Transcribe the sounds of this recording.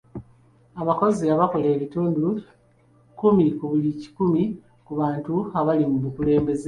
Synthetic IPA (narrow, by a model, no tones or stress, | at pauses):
aβako̞ziaβako̞leːβituːndu | kumikuβulici̥kumi | kuβaːntuaβalimumukule̞ːmbe̞z